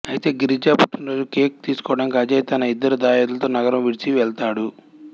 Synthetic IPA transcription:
ɐjit̪e̞ːɡiɾid͡ʒaːpuʈʰːunɾo̞ːd͡ʒukeːk̚t̪iːsu̥kɔʋɐɽɐnkɐd͡ʒɐjt̪ɐnɐid̪ːɐɾud̪aːjɐːd̪ulɐt̪oːnɐɡɐɾɐmʋiɽit͡ʃiʋɛɭt̪aːɽu

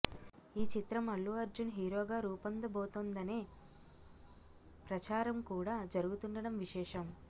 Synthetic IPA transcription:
iːt͡ʃit̪ɾɐmɐɭːuɐɾd͡ʒunɦiːɾoːɡaːɾuːpɐnd̪ɐboːt̪oːnd̪ɐneː | pɾɐt͡ʃaːɾɐmkuːɽaːd͡ʒɐɾuɡut̪uɳɖɐɽɐmʋiʃɛːʂɐm

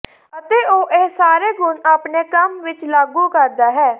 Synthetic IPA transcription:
ət̪eːoːʔeːsaːɾeːɡʱʊnaːpneːkəmʋɪt͡ʃlaːɡuːkəɾd̪aːɦɛː

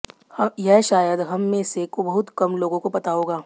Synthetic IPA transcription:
jɛɦʃaːjəd̪ɦɐmːẽsekobɐɦʊt̪kɐmloːɡõkobɐt̪aːoːɡaː

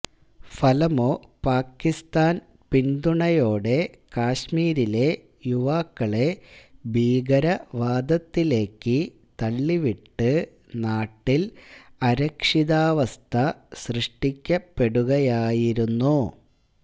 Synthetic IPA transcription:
fɐlɐmo̞ːpaːkːist̪aːn | pind̪uɳɐjo̞ːɽe̞ | kaːɕmiːɾile̞ | juʋaːkːɐɭe̞bʱiːɡɐɾɐʋaːd̪ɐt̪ːile̞ːkːɨ | t̪ɐlːiʋiʈːɨ | naːʈːilɐɾɐkʂiðaːʋɐst̪ʰɐɕrɨʂʈikʲːɐpːe̞ɽuɣɐjaːjiɾunːu

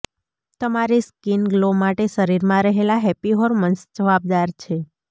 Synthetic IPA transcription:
t̪əmaɾiskinɡlomaʈeʃəɾiɾmãɾəɦelaɦɛpiɦoɾmənsd͡ʒəʋab̚d̪aɾt͡ʃʰe

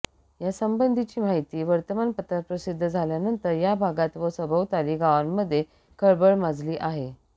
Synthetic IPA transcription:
jasəmbənd̪ʱit͡ɕiːmaɦit̪iːʋəɾt̪əmanpət̪ɾapɾəsid̪ʱːəd͡zʱaljanənt̪əɾjabʱaɡat̪ʋəsəbʱəʋt̪aliːɡaʋanmːəd̪ʱːje | kʰəɭbəɭmad͡zliːʔaɦe

